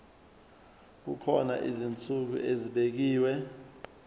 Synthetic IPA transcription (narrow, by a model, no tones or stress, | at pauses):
k̬ukʰɔna̰ʔizint͡sʼuk̬ṵʔeziɓek̬iːwɛ